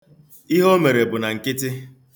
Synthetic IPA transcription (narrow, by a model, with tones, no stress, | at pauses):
i˦ɦo˦me˨ɾe˨bʊ˨na˨ŋ̩˨kɪ˦tɪ˦